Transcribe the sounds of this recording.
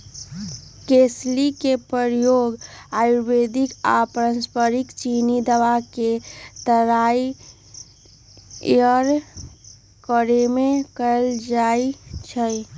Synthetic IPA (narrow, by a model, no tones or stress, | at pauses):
keslikepɾəɾjoːɡajubed̪ika̰pəɾə̃nspəɾikt͡ʃinid̪əʋaket̪əɾai | əɾ | kəɾemẽkəld͡ʒait͡ʃʰə